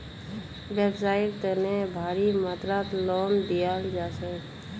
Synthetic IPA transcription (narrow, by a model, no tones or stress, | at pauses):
beːbsaːɪɽt̪ənebʱaːɾimaːt̪ɾat̪lɔːnd̪ijaːld͡ʒaːsɛ